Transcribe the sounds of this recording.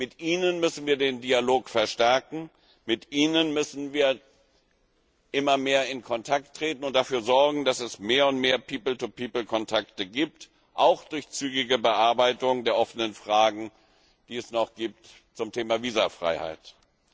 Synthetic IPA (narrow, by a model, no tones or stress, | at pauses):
mɪtʔiːnənmʏsn̩viːɐdeːndialoːkfɛɐʃtɛɐkŋ̩ | mɪtʔiːnənmʏsn̩viːɐ | ʔɪmɐmeːɐɪnkʰɔntʰak̚tːʁ̥eːtn̩ʊnt̚d̥afyːɐzɔɐɡŋ̩dasɛsmeːɐʊntmeːɐpʰiːpl̩tupʰiːpl̩kʰɔntʰaktəɡiːp̚t | ʔaʊxd̥ʊɐçt͡syːɡɪɡəbəʔaɐbaɪtʊŋdeːɐʔɔfənənfʁ̥aːɡŋ̩ | d̥iːɛsnɔχɡ̥iːp̚t | t͡sʊmtʰeːmaviːzafʁ̥a̰ɪha̰ɪt